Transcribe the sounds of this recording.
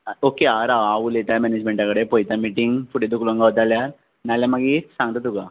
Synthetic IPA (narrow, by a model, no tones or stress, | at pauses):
okeaɾaʋaʋulet̪ajmɛned͡ʑmẽɳʈjãkəɽepojt̪amiʈiŋɡfuʈed̪ukloŋɡaʋt̪aljaɾ | naljamaɡiːsãŋɡt̪at̪uka